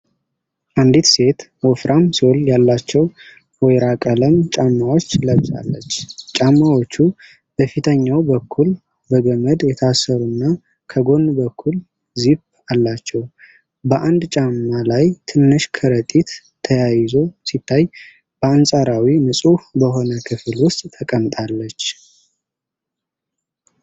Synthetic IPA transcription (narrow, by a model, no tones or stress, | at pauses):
ʔand̪it̪se̞t̪wɔfɾʔamsoljalːat͡ʃːɛw | wɔjɾakʼələmt͡ʃʼamːawo̞t͡ʃːləβsʼa̰lːət͡ʃːt͡ʃʼamːawot͡ʃːu | b̥əfit̪ʰəɲːawbəkʰːul | bəɡəməd̪jɛt̪ʰasːəɾunːa | kʰəɡo̞nbəkʰːul | zib | alːat͡ʃːɛw | bəʔand̪t͡ʃʼamːalajt̪ʰɨnːɨʃkʰəɾət̪ʼit̪ʰː | əjajɪzo̞sit̪ʰːaj | b̥əansʼaɾawinɨsʼubəɦo̞nəkʰɨfɨlwʊst̪ʼt̪ʰəkʼəmt̪ʼalːət͡ʃː